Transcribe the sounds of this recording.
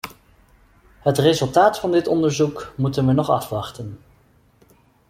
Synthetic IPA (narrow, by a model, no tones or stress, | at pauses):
ɦətrezɵlˠtaːtfɑndɪtɔndəɹzukmutənʋənɔχɑ̰fʋɑχtən